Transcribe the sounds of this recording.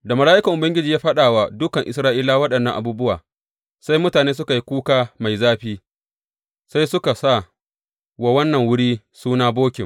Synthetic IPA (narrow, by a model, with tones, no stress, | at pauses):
da˨mɐ˨laː˦ʔɪ˦kɐ˨ŋʔʊ˨bɐ˦ŋɡʲɪ˦d͡ʒiː˨jaː˦ɸɐ˦ɗaː˨wa˨dʊ˦kɐ˨ŋʔɪ˨sɾaː˦ʔiː˦laː˦wɐ˦ɗɐ˨nːɐ˦ŋʔa˨buː˦bʊ˦waː˨ | sa˦jmʊ˦taː˨neː˦s̬ʊ˦ka˨ji˦kʷuː˦kaː˦ma˨jzaː˦ɸiː˦ | sa˦jsʊ˦ka˨sa˦˨ | wa˦wɐ˦nːɐ˨ŋwʊ˦ɽiː˦ | suː˦naː˦boː˦kʲɪ˨m